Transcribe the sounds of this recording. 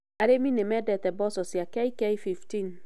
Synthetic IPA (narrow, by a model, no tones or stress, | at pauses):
aɾemĩnɛ̃mɛdɛtɛbɔsɔsiakɛikɛjfiftĩn